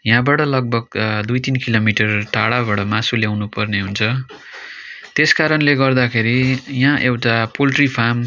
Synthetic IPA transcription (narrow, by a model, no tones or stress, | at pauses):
jãbaʈʌlʌɡ̚bʱʌɡ̚d̪ujt̪inkilomiʈʌrʈaɽabaʈʌmasuljawnupʌrneɦunt͡sʰʌ | t̪eskaɾʌnleɡʌrd̪akʰeɾijãʔewʈapolʈripʰam